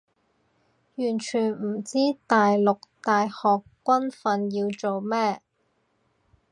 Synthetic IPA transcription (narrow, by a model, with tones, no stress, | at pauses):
jyː˨˩nt͡ʃʰyː˨˩nm̩˨˩t͡siː˥t̪aː˨jlʊ˨k̚t̪aː˨jhɔː˨kːʷɐ˥nfɐ˧njiː˧wt͡so˨wmɛː˥